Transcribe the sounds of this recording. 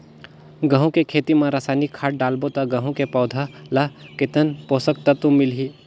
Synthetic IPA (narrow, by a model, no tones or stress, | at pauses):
ɡɐ̃ɦũkekʰeːt̪imãɾaːsaːnikʰːaːʈ̚ɖaːlbot̪aɡɐɦũkepɔːd̪ʱalaket̪ənpoːsək̚t̪ɐt̪ũmɪlɦiː